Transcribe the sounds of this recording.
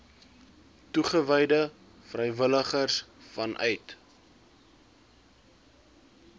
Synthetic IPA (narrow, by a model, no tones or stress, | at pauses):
tuχəvɛjdə | frɛjvələχərsfɐnʔœɥt